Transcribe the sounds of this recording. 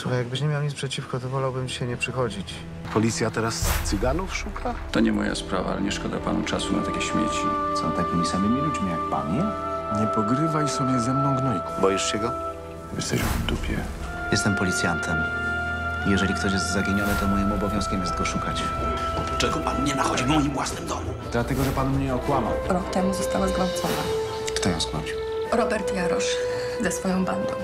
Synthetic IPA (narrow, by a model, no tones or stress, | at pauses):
suxajaɡ̚bɘɕɲemjawɲit̪pʂɛt͡ɕifkɔt̪ɔvɔlawbɘmɕɛɲɛpʂɘxɔd͡ʑit͡ɕ | pɔlʲit̪sʲjat̪ɛɾast̪sɘɡanufʂukʰat̪ɔɲɛmɔja̰spɾa̰va̰a̰lɛɲɛʂkɔd̪a̰pa̰nṵt͡ʂasuna̰t̪akʲeɕmʲjɛ̰t͡ɕḭsɔ̰̃w̃t̪akʲimʲisamʲimʲilʲud͡ʒmʲijak̚pa̰ɲɛɲɛpɔɡɾɘvaisɔɲɛzɛmnɔ̃w̃ɡnɔjkubɔjɛʂt͡ɕɛɡɔ | jɛ̰st̪ɛ̰ɕmd̪upʲjɛ̰ | jɛst̪ɛmpɔlʲit̪sʲjant̪ʰɛm | ijɛʐɛlʲikt̪ɔɕjɛst̪zaɡʲeɲɔnɨt̪ɔmɔjimɔbɔvʲjɔ̃skʲɛmjɛszt̪ɡɔʂukat͡ɕ | t͡ʂɛɡɔpanɲɛnaxɔd͡ʑivmɔjimvwasnɨmd̪ɔmud̪lat̪ɛɡɔʐɛpanmɲɛɔkwama̰ɾɔkt̪ɛmuzɔst̪awazɡlawt̪sɔna̰ | ft̪ajɔ̃w̃sknɔt͡ɕi | ɾɔbɛɾt̪jaɾɔʂ | zɛsfɔjɔ̃w̃band̪ɔ̰̃w̃